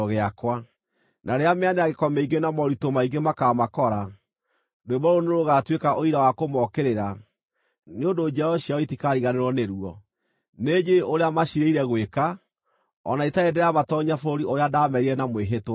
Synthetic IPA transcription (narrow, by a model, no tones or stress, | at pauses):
oɣeakwa | nʔaɾeameaneaɣekɔmɛiɡenamɔɾitomaiɡemakamakɔɾa | doebɔɾoneɾoɣatwekaʔoiɾawakomɔkeɾeɾa | neondod͡ʒɛɔɕiaɔitikaɾiɣaneɾwɔneɾuɔ | ned͡ʒeoɾeamaɕiɾeiɾɛɣweka | ɔ̰naitaedɛjamatɔɲafoɾoɾiʔoɾeadamɛɾiɾɛnamweɦetwa